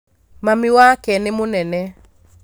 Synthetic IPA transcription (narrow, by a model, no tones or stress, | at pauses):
mamiwakɛnɪmonɛnɛ